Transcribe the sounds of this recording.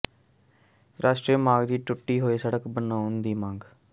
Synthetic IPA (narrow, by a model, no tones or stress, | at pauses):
ɾaːsʈɾiːmaːɡd̪iːʈʊʈːiːɦoːeːsəɽəkbənaːʊnd̪iːmãːŋɡ